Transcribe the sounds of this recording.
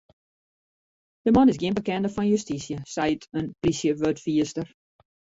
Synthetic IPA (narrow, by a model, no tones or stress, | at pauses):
d̥əmɔnɪsɡiənbəkɛndəfɔnjystisjəsɛjtʰənprisjəʋøtfiəstər